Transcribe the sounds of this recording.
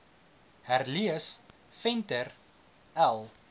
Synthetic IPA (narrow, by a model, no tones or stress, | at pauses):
hærliəs | fɛntər | ælˠ